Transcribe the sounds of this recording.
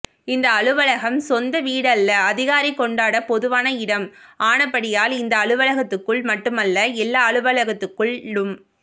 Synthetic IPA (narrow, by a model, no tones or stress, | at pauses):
ɪnd̪ɐːɭɯʋɐɭɐɣɐmsɔnd̪ɐʋiːɽɐlːɐɐðɪɣaːɾikːɔɳɖaːɽɐpɔðɯʋaːnɐɪɽɐmaːɳɐpːɐɽɪjaːlɪnd̪ɐːɭɯʋɐlɐɣɐt̪ːɯkːɯɭmɐʈːɯmɐlːɐɛlːaːɐɭɯʋɐɭɐɣɐt̪ːɯkːɯɭːɯm